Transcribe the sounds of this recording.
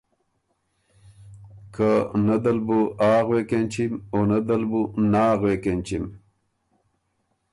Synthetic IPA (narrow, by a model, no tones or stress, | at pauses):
kʰanɐd̪ɐlbuaːɣwekenʲt͡ɕʰimonɐd̪ɐlbunaːɣwekent͡ɕim